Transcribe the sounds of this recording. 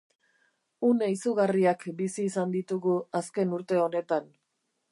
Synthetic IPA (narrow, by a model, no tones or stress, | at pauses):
uneisuɣariakbisiːsand̪it̪uɣuaske̞nuɾt̪e̞o̞ne̞t̪an